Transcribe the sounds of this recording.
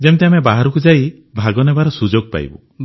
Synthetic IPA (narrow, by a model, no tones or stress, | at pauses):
d͡ʒemt̪eamebaɦaɾukud͡ʒai | bʱaɡɔnebaɾɔsud͡ʒoɡ̚pa̰j̰bṵ